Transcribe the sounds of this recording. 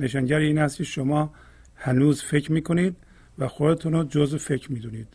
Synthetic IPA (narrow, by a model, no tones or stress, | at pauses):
neʃɑŋɟæɾiːnæst̪kcʰeʃomɒː | hænuːzfe̞cʰɾmiːkʰoniːd̪ | væxod̪et̪ʰunod͡ʒozfe̞cʰɾmiːd̪uniːd̪̥